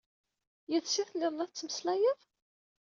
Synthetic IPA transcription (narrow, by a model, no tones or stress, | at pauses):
jæðsiθlːɪðˤnæθt͡sːməslæjəðˤ